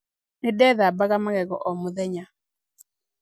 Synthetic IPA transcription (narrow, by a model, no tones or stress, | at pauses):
nɪdɛðabaɡamaɡɛɡɔ̰ʔɔmuðɛɲa